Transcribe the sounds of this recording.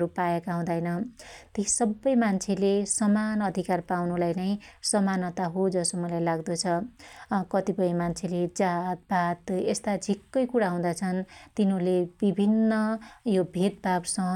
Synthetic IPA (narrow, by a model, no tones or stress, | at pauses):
ɾupajekaɦũd̪ajnʌt̪isʌbːʌjmant͡sʰelesʌmanʌd̪ʱikarpawnulajnʌjsʌmanʌt̪aɦod͡zʌsomʌlajlaɡd̪ʌt͡sʰʌ | kʌt̪ipʌjmant͡sʰeled͡zat̪̚bʱat̪est̪ad͡zʱikːʌjkuɽaɦũd̪at͡sʰʌnt̪inulebibʱinːʌjobʱet̪̚bʱabsʌ